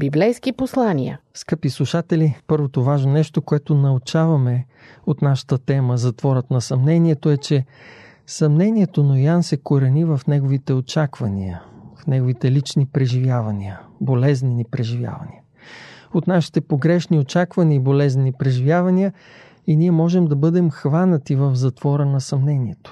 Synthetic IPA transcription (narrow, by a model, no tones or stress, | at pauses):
biblɛjskiposlˠanijə̰fskɤpislˠuʃat̪ɛlipɤɾvot̪ovaʒnonɛʃt̪okoɛt̪onɐʊt͡ʃavɐmɛ | ot̪naʃə̥t̪ət̪ɛməzɐt̪vɔɾət̪nɐsɐmnɛniɛt̪oɛt͡ʃɛ | sɐmnɛniɛt̪onojansɛkoɾɛnivəfnɛɡovit̪ɛot͡ʃakvɐnḭə̰fnɛɡovit̪ɛlit͡ʃnipɾɛʒivjavɐniəbolɛzninipɾɛʒivja̰vɐ̰nḭə | ot̪naʃi̥t̪ɛpoɡɾɛʃniot͡ʃakvɐniəibolɛzninipɾɛʒivʲjavɐniə | iniɛmɔʒɛmd̪ɐbɤd̪ɛmxvanət̪ivəfzɐt̪v̥ɔɾənɐsɐmnɛniɛt̪o̥